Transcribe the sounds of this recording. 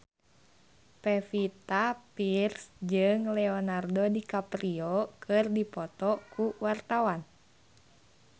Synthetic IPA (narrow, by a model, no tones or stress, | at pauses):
pɛfit̪apirsd͡ʒɨŋlɛɔnardodikapɾiokʰɨrdipɔt̪ɔkuwart̪awan